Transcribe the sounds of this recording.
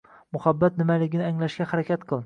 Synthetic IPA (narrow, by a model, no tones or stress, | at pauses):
mʊhabːat̪̚nɪmalɪɡʲɪnɪaŋlaʃɡʲahaɾakʲʰat̪qʰɨlˠ